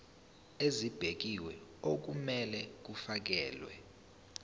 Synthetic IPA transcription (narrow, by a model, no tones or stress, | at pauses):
ezib̥ʱek̬iwɛok̬umɛlɛk̬ufak̬ɛ̰ːlwɛ̰